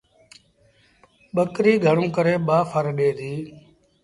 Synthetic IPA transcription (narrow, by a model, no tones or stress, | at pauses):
ɓəkɾiːɡʱəɳũːkəɾeːɓaːfʰəɾɗeːd̪iː